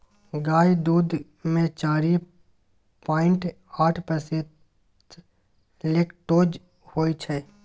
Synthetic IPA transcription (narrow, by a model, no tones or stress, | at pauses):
ɡaːjd̪uːd̪ | mẽt͡ʃaːɾi | paːɪ̃ɳʈ | aːʈʰpəse | leːkʈoːd͡ʒ | hoːit͡ʃʰɛː